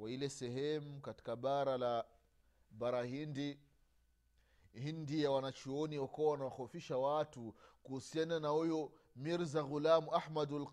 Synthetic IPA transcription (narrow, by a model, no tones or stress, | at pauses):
wailɛsɛhɛmukati̥kaɓaɾala | ɓaɾahindi | hindijawanat͡ʃuɔniwakuawanawaxɔfiʃawatukuhusiananahuju | miɾzaɣulamuahmadal